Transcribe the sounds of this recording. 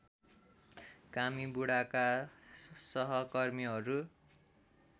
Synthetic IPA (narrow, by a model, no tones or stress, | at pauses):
kamibuɽaka | sʌɦʌkʌrmiɦʌɾu